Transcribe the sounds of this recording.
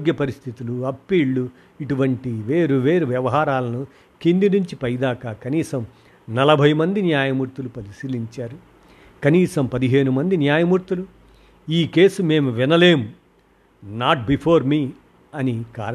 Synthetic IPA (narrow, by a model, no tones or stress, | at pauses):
ɡjɐpɐɾist̪ʰit̪uluɐpːiːɭːu | iʈuʋɐɳʈiʋe̞ːɾuʋe̞ːɾuʋjɐʋɐɦaːɾaːlɐnu | kind̪iɾiɲt͡ʃipɐjd̪aːkaːkɐniːsɐm | nɐlɐbʱɐjmɐnd̪injaːjɐmuːɾt̪ulupɐlisiːliɲt͡ʃaːɾu | kɐniːsɐmpɐd̪iɦe̞ːɾumɐnd̪injaːjɐmuːɾt̪ulu | iːke̞ːsume̞ːmuʋinɐle̞ːmu | naːʈ̚bipʰoːɾmiː | ɐnikaːɾ